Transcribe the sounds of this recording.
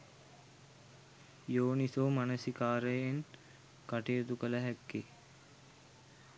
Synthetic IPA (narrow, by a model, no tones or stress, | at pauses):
joːnisoːmanəsikaːɾəjeŋ | kaʈijət̪ukələɦækːi